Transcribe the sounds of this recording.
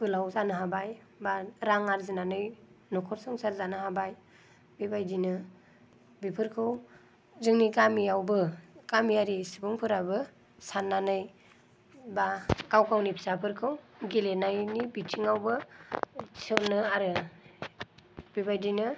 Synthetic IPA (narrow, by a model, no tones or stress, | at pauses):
b̥ɯlawzanɯɦabaj | baɾaŋaɾzinanɯjnɔkʰɔɾsɔŋsaɾzanɯɦabaj | bibajdinɯ | bipʰɯɾkʰɯw | zɯŋnikamiawbɯkamiaɾisibɯŋpʰɯɾabɯ | sanːanɯj | bakawkawnipʰi̥sapʰɯɾkʰɯwɡilenajnibitʰiŋawbɯ | sʰɯnɯaɾɯ | b̥ibajdinɯ